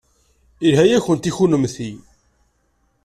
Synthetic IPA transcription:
iɾɦæjæçənt̪içunəmθi

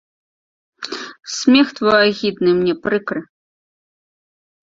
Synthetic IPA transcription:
sʲmʲɛxt̪vɔjaɣʲid̪nɨmnʲɛpɾɨkɾɨ

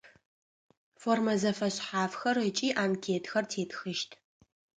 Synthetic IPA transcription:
foːrmɐzɐfɐɕħaːfxɐrɨt͡ʃʼiːʔaːmkʲʰeːtʰxɐrtʰeːtxɨʃtʰ

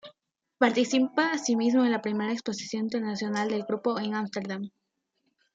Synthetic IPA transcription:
paɾt̪isipaːsimizmoenlapɾime̞ɾaeksposi̥sjo̞nint̪e̞ɾnasjo̞nald̪e̞lɡɾupoeŋamst̪eɾðam

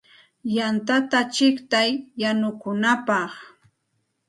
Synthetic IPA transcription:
jant̪at̪at͡ʃɪkt̪ajːanʊkʊnapɑχ

